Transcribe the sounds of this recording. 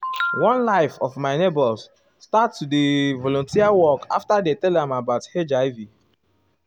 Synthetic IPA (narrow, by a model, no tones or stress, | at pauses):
wɔ̃nlaɪfɔvmaɪnebɔls | sːtatsudevɔlɔ̃ntiawɔka̰ftadetɛldɛ̃mabaʊthed͡ʒaɪvi